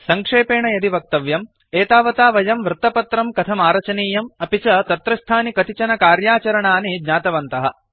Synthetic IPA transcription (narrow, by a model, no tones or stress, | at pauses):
sɐŋkʂeːpeːɳɐjɐd̪iʋɐk̚t̪ɐʋjɐm | eːt̪aːʋɐt̪aːʋɐjɐmʋɾɨt̪ːɐpɐt̪ɾɐmkɐt̪ʰɐmaːɾɐt͡ʃɐniːjɐmɐpit͡ʃɐt̪ɐt̪ɾɐst̪ʰaːnikɐt̪it͡ʃɐnɐkaːɾjaːt͡ʃɐɾɐɳaːnid͡ʒɲaːt̪ɐʋɐnt̪ɐɦɐ̆